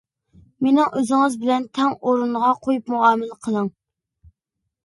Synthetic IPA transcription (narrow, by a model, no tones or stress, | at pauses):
menɪŋʔøzɪŋɨzbɪlɛnt̪ʰɛŋoɾunʁɑqʰojupmuɑːmɪlqʰəlˠəŋ